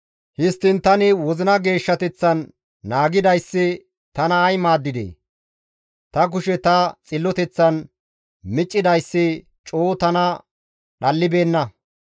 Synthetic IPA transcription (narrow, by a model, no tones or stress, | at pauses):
hɪst̪ːɪnt̪ɐnɪwɔzɪnɐɡe̞ːʃːɐt̪ɛt͡sːɐnː | aːɡɪd̪ɐjsːɪ | t̪ɐnɐːjmaːd̪ːɪd̪ḛː | t̪ɐk̬ʊʃɛt̪ɐt͡sʼɪlːɔt̪ɛt͡sːɐn | mɪt͡ʃʼːɪd̪ɐjsːɪ | t͡ʃʼoːt̪ɐnɐ | ɗɐlːɪbe̞ːnːɐ